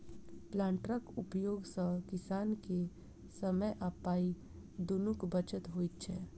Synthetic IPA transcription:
plãːɳʈɾəkʊpjoːɡsə̃kɪsaːnke | səməjʔapaːi | d̪onukbət͡ʃət̪ɦoːit̪̚t͡ʃʰɛː

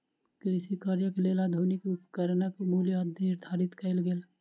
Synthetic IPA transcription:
kɾɪsikaːɾjəkelelad̪ʱuːnɪkʊpkəɾnakomuljəəd̪ʱənɪɾd̪ʱaːɾɪt̪kəɪlɡel

